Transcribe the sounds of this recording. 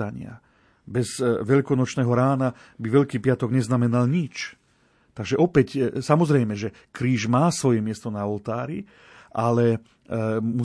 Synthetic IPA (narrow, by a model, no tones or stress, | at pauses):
aɲɪa̰ | bɛzʋɛʎkɔnɔt͡ʃnɛːɦɔɾaːna | biʋɛʎkiːpɪat̪ɔɡɲɛznamɛnalɲit͡ʃ | t̪aɡʒɛʔɔpɛcsamɔzɾɛjmɛʒɛ | kɾiːʒmaːsʋɔjɛmɪɛst̪ɔnaɔlt̪aːɾi | ʔalɛ | mu